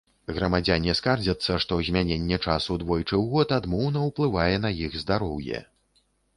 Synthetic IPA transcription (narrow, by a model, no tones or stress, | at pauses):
ɣɾɐmad͡zʲanʲiskard͡zʲɐt̪sːɐʂt̪ɔzʲmʲanʲenʲːɛt͡ʂasud̪vɔjt͡ʂɨwɣɔt̪ad̪mɔwnɐwplˠɨvajɛn̪ɐjiɣzd̪aɾɔwjɛ̰